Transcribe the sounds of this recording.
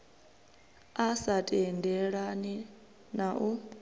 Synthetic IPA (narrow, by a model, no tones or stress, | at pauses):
asatʼɛndʱɛɺani | naʔu